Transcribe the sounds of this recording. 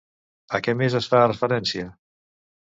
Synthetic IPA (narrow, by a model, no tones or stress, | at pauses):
əkɛmezəsfaːrəfəɾɛnsiə